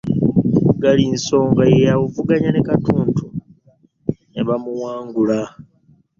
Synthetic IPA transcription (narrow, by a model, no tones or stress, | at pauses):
ɡalinso̞ːŋɡajejawuvuɡaɲanekatuːntʰu | neβamuwaːŋɡula